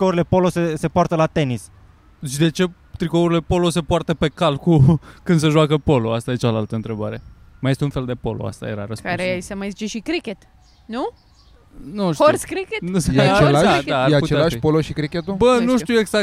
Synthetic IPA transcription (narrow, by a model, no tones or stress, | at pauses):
kouɾile̞po̞lo̞sese̞poart̪əlat̪e̞nis | ʃid̪e̞t͡ʃe̞ | t̪ɾikouɾile̞po̞lo̞se̞poart̪əpe̞kalkukɨnd̪̥səʒwakəpo̞lo̞ast̪ajet͡ʃalalt̪əɨnt̪ɾe̞baɾe̞ | majest̪eunfe̞ld̪e̞po̞̰lo̰a̰st̪a̰je̞̰ɾa̰ɾəskpkaɾesəmajzit͡ʃe̞ʃikɾikʲet̪ | nu | nuʃouskɾikeat͡ʃeaʃad̪ajeaputt͡ʃealaʃipoloʃikɾikʲet̪ubənuʃuweɡzak